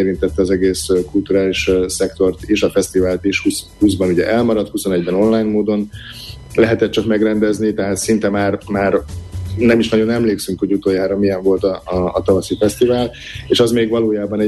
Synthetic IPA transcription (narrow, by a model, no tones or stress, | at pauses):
eːɾint̪ɛt̪ːɛɒzɛɡeːskult̪uɾaːliʃsɛkt̪o̞rt̪eʃɒfɛst̪ivaːlt̪eʃhushuzbɒnuɟɛʔɛlmɒɾɒt̪huso̞nɛɟbɛno̞nlaːjnmoːd̪o̞n | lɛɦɛt̪ɛt̪̚t͡ʃɒkmɛɡrɛnd̪ɛznit̪ɛɦaːt̪sint̪ɛmaːrmaːrnɛmiʃnɒɟo̞nɛmleːksyŋkhoɟut̪oːjaːɾɒmijɛɱvo̞lt̪ɒːt̪ɒvɒsifɛst̪ivaːl | eːʃɒzmeːɡvɒloːjaːbɒnɛ